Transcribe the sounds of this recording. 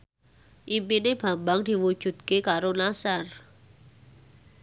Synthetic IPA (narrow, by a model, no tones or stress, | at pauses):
ʔipineb̥a̤mbaŋd̪̥i̤wud̥ʒ̥ṳd̪̚kekaɾolasar